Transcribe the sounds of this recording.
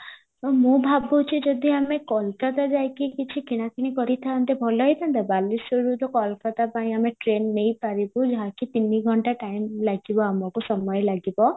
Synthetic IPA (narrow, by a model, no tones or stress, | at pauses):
t̪ɔmũbʱabʱɔut͡ʃʰid͡ʒɔd̪ʱiamekɔlkat̪ad͡ʒajkikit͡ʃʰikiɽ̃akʰiɽ̃ikɔɾit̪ʰant̪ebʱɔlɔɦijt̪ʰant̪abalisɔɾut̪ɔkɔlɔkat̪apaĩameʈɾenːejpaɾibud͡ʒɔɦakit̪iniɡʱɔɳʈaʈajmlaɡibɔamɔkusɔmɔjɔlaɡibɔ